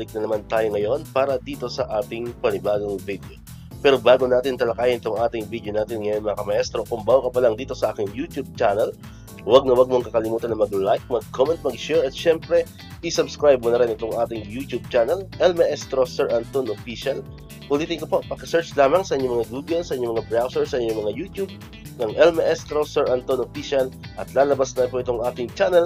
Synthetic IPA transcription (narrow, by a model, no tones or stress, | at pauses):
bɐlɪk̚nɐnɐmant̪aːjoŋɐjo̞npaːɾɐd̪iːt̪o̞sɐʔaːt̪ɪŋpɐnɪbaːɡoŋvid̪eo | pɛːɾo̞baːɡonaːt̪ɪnt̪ɐlɐkaːjɪnʔɪt̪oŋʔaːt̪ɪŋviːd̪ejonaːt̪ɪnŋɐjonmɐŋɐkɐmɐʔɛst̪ɾo̞kʊmbaːwokɐpɐlɐŋd̪iːt̪o̞sɐʔaːkɪŋjuːt̪jub̚t͡ʃanɐl | wɐɡ̚nɐwɐɡ̚moŋkɐkɐlɪmuːt̪ɐnːɐmɐɡlajk̚mɐɡ̚kʰomɛnt̪̚mɐɡ̚ʃɛɹɐt̪ʃɛmpɾɛ | ʔɪsɐbskɹajb̚monɐɾɪnʔɪt̪o̞ŋʔaːt̪ɪŋjuːt̪jub̚t͡ʃaːnɐlʔɛlmɛʔɛst̪ɾosɛɹʔant̪onʔofiʃɐl | ʔʊliːt̪ɪnkɐpo̞ʔpɐɡkɐsɛɹt͡ʃlaːmɐŋsɐʔɪɲomɐŋaɡuːɡɐlsɐʔɪɲomɐŋabɹawsɛɹsɐʔɪɲːoŋmɐŋajuːt̪jub̚ | nɐŋʔɛlmɛʔɛst̪ɾosɛɹʔant̪onʔofiʃɐlʔɐt̪laːlɐbasnɐɪnpoʔɪt̪oŋʔaːt̪ɪŋt͡ʃaːnɛl